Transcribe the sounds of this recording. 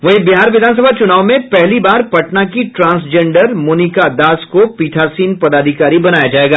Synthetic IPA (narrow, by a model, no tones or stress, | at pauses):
ʋɐɦibiɦaːɾʋɪd̪ʱaːns̬əbʱat͡ʃʊnaːʋmẽpɛɦlibaːɾpɐʈnakiʈɾãːnsd͡ʒẽːɳɖəɾmoːnikad̪aːskopiːʈʰaːsiːnpɐd̪aːd̪ʱɪkaːɾibɐnaːjad͡ʒaːeːɡaː